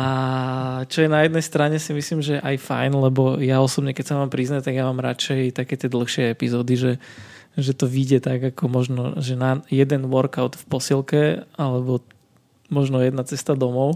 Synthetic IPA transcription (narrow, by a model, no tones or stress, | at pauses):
a | t͡ʃɔjɛnajɛd̪nɛjst̪ɾaɲɛsimisliːmʒɛɛʔajfa̰jnlɛbɔjaɔsɔbɲɛkɛcsamaːmpɾiznaɛt̪aɡjamaːmɾat͡ʃɛjt̪akɛːt̪ɪɛd̪l̩ˠxʃɪɛɛpizɔːd̪iʒɛ | ʒɛt̪ɔʋiɟɛt̪aɡakɔmɔʒnɔ̰ʒɛnajɛd̪ɛnʋɔɾkaʊt̪fpɔsilkɛalɛbɔ | mɔʒnɔjɛd̪nat͡sɛst̪ad̪ɔmɔʊ